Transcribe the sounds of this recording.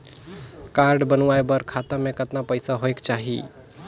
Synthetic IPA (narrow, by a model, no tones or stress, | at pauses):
kaɾɖbənʋaebəɾkʰat̪amẽkət̪napəɪsaɦoekt͡ʃaɦḭ